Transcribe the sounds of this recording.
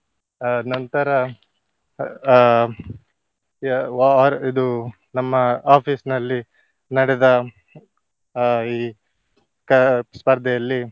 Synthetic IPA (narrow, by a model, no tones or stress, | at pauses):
nɐnt̪ɐɾɐ | ɾid̪u | nɐmːɐaːpʰiːsnɐlːi | nɐɽɛd̪ɐ | iː | kɐspɐɾd̪ʱɛjɐlːi